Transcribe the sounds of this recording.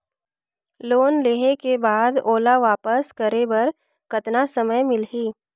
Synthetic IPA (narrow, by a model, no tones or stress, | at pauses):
loːnleːɦekebaːd̪oːlaʋaːpəskəɾebɐɾ | kɐt̪nasəməjmɪlɦiː